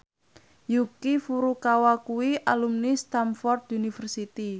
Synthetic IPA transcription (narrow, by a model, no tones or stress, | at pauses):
jukifuɾukawakuwiʔalumnist̪amfɔrt̪unifərsit̪i